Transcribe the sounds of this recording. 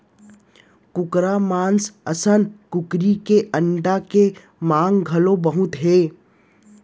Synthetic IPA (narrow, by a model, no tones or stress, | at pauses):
kʊkɾamãːnsəsənkʊkɾikeʔəɳɖake | mãːŋɡɡʱɐlobəɦʊt̪ɦeː